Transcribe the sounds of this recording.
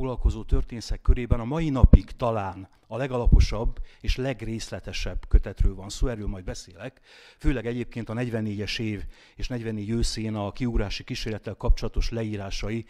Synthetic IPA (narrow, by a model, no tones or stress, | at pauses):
oɡlɒlko̞zoːt̪ørt̪eːnsɛkːøɾeːbɛnɒmɒjinɒpiɡt̪ɒlaːn | ɒlɛɡɒlɒpo̞ʃɒbːeːʃlɛɡreːslɛt̪ɛʃɛbkøt̪ɛt̪røːlvɒnsoːɛːrːøːlmɒjd̪bɛseːlɛk | føːlɛɡɛɟeːp̚keːnt̪ɒnɛɟʋɛnːeːɟɛʃeːv | eːʃnɛɟʋɛnːeːɟøːseːnɒkiuɡɾaːʃikiʃeːrlɛt̪ːɛlkɒp̚t͡ʃo̞lɒt̪o̞ʃlɛiːɾaːʃɒji